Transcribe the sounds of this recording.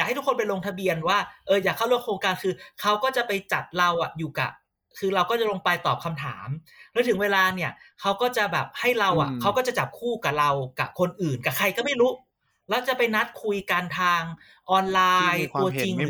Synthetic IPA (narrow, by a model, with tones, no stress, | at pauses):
ja˨˩k̚ht̪ʰu˦˥kʰːo˧npa˧jloː˧ŋt̪ʰa˧bi˧ənwaː˥˩ʔɤː˧jaː˨˩kʰːa˥˩lɾu˥˩əŋkʰɾoː˧ŋkaː˧nkʰɯː˧kʰa˦˥wkɔː˥˩t͡ɕa˨˩ʔpa˧jt͡ɕa˨˩t̪̚ɾa˧wʔa˨˩juː˨˩ka̰˨˩ | kʰɯː˧ɾa˧wkɔː˥˩t͡ɕa˨˩loː˧ŋpa˧jt̪ɔː˨˩p̚kʰa˧mt̪ʰa̰ː˩˦m | ɾɛː˦˥˩t̪ʰɯ˩˦ŋweː˧laː˧ni˥˩ɐkʰa˦˥wkɔː˥˩t͡ɕa˨˩bɛː˨˩p̚ha˥˩jɾa˧wʔa̰˨˩kʰa˦˥wkɔː˥˩t͡ɕa˨˩t͡ɕa˨˩p̚kʰuː˥˩ka˨˩ɾa˧wka̰˨˩kʰo˧nʔɯː˨˩nka˨˩kʰa˧jkɔː˥˩ma˥˩jɾuː˦˥ | lɛ˦˥wt͡ɕa˨˩pa˧jna˦˥t̪̚kʰu˧jka˧nt̪ʰaː˧ŋ | ʔɔː˧nlaː˧jt̪u˧ɐt͡ɕi˧ŋ